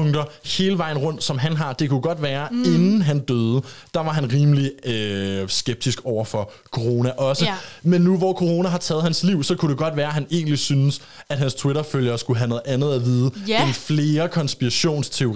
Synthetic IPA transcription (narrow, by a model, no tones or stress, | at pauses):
ɔŋd̥ɐhe̝ːləʋɑ̈ɪ̰n̩ʁɔ̽n̰d̥sɒ̽mɦænɦɑ̈d̥e̝kʰuɡ̥ɒ̽d̥ʋæːɐe̝nn̩ɦænd̥øːð̞ˠəd̥ɑ̈ʋɑ̈ɦænʁiːməliøsɡ̥eb̥̚d̥isɡ̥ɒʊ̰ɐfɒ̽ | kʰo̝ʁo̝ːnæʔɒ̽səmenːuʋɒkʰo̝ʁo̝ːnæɦɑ̈t͡sʰɛːð̩ˠhænsliʊ̰sɒ̽kʰuɾ̥e̝ɡ̥ɒ̽d̥ʋæːɐɦæne̝̰ːnlisynəs | æd̥ɦænst͡sʰwe̝ɾɐføljɐːsɡ̥uɦænɔ̽ːð̩ˠænð̞̩ˠæʋiːðˠəenfle̝ːɐkʰɒ̽nsb̥iʁæɕo̝̰ːnst͡sʰe̝o̝ʁ